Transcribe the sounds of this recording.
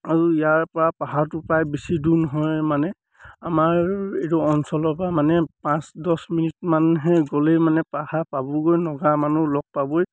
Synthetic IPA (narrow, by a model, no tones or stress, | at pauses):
aɹuijaɹpɔɹapaɦatʊpajbisidunɦɔjmanɛ | amaɹetɔɔnsɔlɔpɔamanɛpãsdɔsminit̚manɦɛɡolemanɛpahapabɔɡojnɔɡamanulɔk̚pabɔj